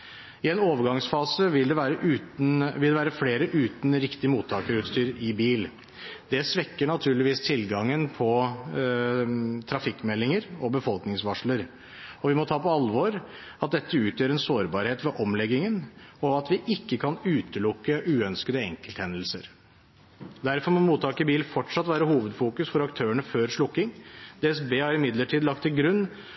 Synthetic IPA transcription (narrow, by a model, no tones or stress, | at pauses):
ɪɛnoːʋəɾɡɑŋsfɑːsəʋɪld̪ɛʋæːɾəʔʉːnʋɪld̪ɛʋæːɾəfleːɾəʔʉːt̪nɾɪkt̪ɪəmuːt̪ʰːɑːkəɾʉːt̪st̪yːɾɪbiːl | d̪ɛsʋɛkːəɳɑt̪ʰʉːɭɪʋiːst̪ʰɪlɡɑŋːənpʰɔ | t̪ʰɾɑfɪkːmɛlːɪŋəɾɔbəfɔlknɪŋsʋɑʂɭəɾ | ɔʋɪmɔt̪ʰɑːpɔɑlʋɔɾ | ɑt̪̚d̪ɛt̪ːəʉːt̪jøːɾɛnsoːɾbɑːɾheːt̪ʋɛʔɔmlɛɡɪŋənɔɑt̪ʋɪʔɪkːəkʰɑnʉːt̪əlʊkːəʔʉːœnskəd̪əɛ̰ŋkəlt̪hɛnd̪l̩səɾ | d̪æɾfɔɾmɔmuːt̪ːɑːkəbiːlnfɔʈʂɑt̪ʋæːɾəhuːʋəd̪fuːkʉsfɔɾɑkt̪ʰøːəɳəføːɾʂɭʊkːɪŋd̪eːɛsbeːhɑɾɪmɪd̪ləʈʰiːd̪lɑkt̪ʰːɪlɡɾʉnː